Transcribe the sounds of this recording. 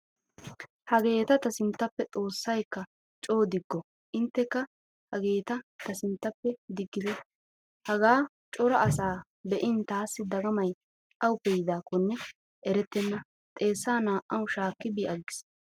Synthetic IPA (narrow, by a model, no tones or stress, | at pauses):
hɐɡe̞ːt̪ɐt̪ɐsɪnt̪ːɐpːɛt͡sʼo̞ːsːɐjkːɐ | t͡ʃʼo̞ːd̪ɪɡːɔ | ʔɪnt̪ːɛkːɐ | hɐɡe̞ːt̪ɐt̪ɐsɪnt̪ːɐpːɛd̪ɪɡːɪd̪ɛ | hɐɡaː | t͡ʃʼɔɾɐʔɐsaː | bɛʔɪnt̪aːsːɪd̪ɐɡɐmɐj | ʔɐwʊpːejɪd̪aːkɔnːɛ | ʔɛɾɛt̪ːɛnːɐ | t̪ʼe̞ːsːaːnaːʔʔɐwʃaːkːɪbɪɐɡːɪ̥s